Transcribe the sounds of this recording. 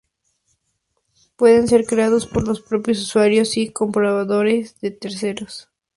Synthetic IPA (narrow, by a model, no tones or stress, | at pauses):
pwe̞ðe̞ns̬e̞ɾkɾe̞aðo̞spo̞ɾlo̞spɾo̞pjo̞suswaɾjo̞siko̞mpɾoβaðo̞ɾe̞zðe̞t̪eɾs̬e̞ɾos